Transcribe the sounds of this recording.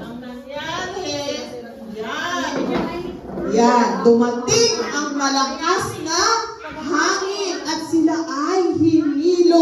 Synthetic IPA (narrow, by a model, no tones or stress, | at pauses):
jad̪omat̪iŋaŋmalakasna | ɦaŋiat͡silaʔajɦinilo